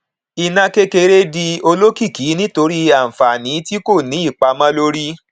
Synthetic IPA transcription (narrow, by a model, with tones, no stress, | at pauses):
i˧nã˦ke˦ke˧ɾe˦di˧o˧lo˦ki˦˨ki˨˦nĩ˦to˧ɾi˦a˦˨fa˨nĩ˨˦ti˦ko˦˨nĩ˨˦i˦˨k͡pa˧mã˦lo˦ɾi˦